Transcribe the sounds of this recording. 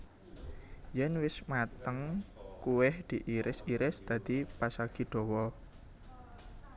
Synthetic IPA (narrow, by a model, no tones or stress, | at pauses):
jɛnwɪsmat̪əŋkuwɪhd̪̥i̤ʔiɾɪsiɾɪsd̪̥ä̤d̪̥i̤pasaɡ̥i̤d̥ɔ̤wɔ